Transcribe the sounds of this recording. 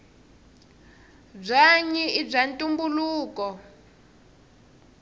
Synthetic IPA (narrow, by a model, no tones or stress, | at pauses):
b͡ʐaɲiib͡ʐantʼumbuluːkɔ